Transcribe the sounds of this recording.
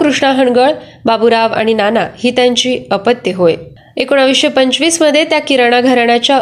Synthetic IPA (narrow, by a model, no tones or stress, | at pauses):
kɾuʂɳaɦəɳɡəɭ | babuɾaʋa̰ɽ̃inanahit̪ãɲt͡ɕiːəpət̪jəɦoj | ekoɽ̃aʋiɕepəɲt͡ɕʋiːsməd̪ʱːjet̪jakiɾəɽ̃aɡʱəɾɳat͡ɕja